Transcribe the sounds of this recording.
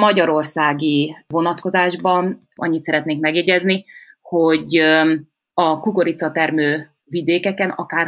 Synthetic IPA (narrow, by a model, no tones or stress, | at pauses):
mɒɟɒɾo̞rsaːɡivo̞nɒt̪ko̞zaːʒbɒn | ʔɒ̰ɲːit̪sɛɾɛt̪neːŋkmɛɡjɛɟɛzni | ho̞ɟ | ɒkuko̞ɾit̪sɒt̪ɛrmøː | vid̪eːkɛkɛnɒkaːr